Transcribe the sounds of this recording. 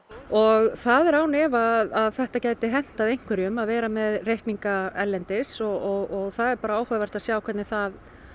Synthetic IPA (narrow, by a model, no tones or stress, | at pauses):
ɔɣθaðɛɾaːwnɛːvaðaðθɛht̪acaːjt̪ɪɦɛn̥t̪aðejŋ̥kʰvɛɾjʏmaðvɛːɾamɛðrejhkniŋkaɛlːɛnt̪ɪsɔɔɣɔɣθaðɛɾpaːɾaaːwhavɛr̥t̪aðsjaːwkʰɛt̪nɪθað